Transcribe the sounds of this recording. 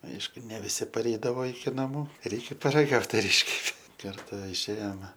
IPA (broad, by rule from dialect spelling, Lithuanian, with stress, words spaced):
ˈɐɪʃkʊ nʲɛ ʋʲɪˈsʲɪ pɐˈrʲɛɪdɐʋoː ɪkʲɪ nɐˈmuː ˈrʲɛɪkʲɛ pɐrɐˈɡɐʊt ɐr ˈɪʃʲkʲɛpʲeː kɐrˈtɐ ɪʃʲˈeːjoːmʲɛ